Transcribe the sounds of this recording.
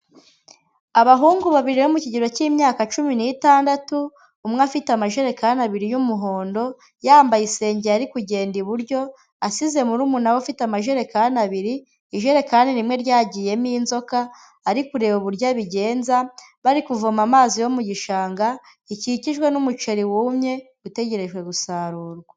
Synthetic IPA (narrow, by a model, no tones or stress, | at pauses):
aβaɦuːŋɡuβaβiɾinomuciɟiɾo̞ciːmɲaːkat͡ʃuminitaːndatuː | mŋafitamaʒeɾe̞kanaβiɾijumuɦo̞ːndo̞ | jaːmbajise̞ːɲɟeaɾikuɟe̞ːndiβuɾɟo̞ | asize̞muɾumunawofitamaʒeɾe̞kanaβiɾiː | ʒeɾe̞kaninimŋe̞ɾɟaːɟije̞miːnzo̞ka | aɾikuɾe̞βoβuɾɟaβiɟe̞ːnza | βaɾikuvomamaːzijomuɟiʃaːŋɡa | iciciʒɡwe̞numut͡ʃe̞ɾiwuːmɲe̞ | ute̞ɟe̞ɾe̞ʒɡwe̞ɡusaːɾuːɾɡwa